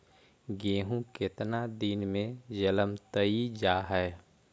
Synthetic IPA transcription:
ɡeːɦũkɪt̪nad̪inmẽd͡ʒələmt̪əid͡ʒaːɦɛː

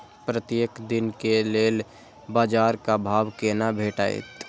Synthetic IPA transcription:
pɾət̪jeːkd̪ɪnkeleːl | baːd͡ʒaːɾkabʱaːwkenabʱeːʈa̰ːḛt̪

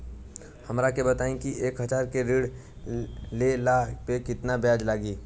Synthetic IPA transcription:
hɐmɾakebɐt̪aːẽkiʔeːkɦəd͡ʒaːɾkeɾiːɽ | lelapekɪt̪nabjaːd͡ʒlaːɡiː

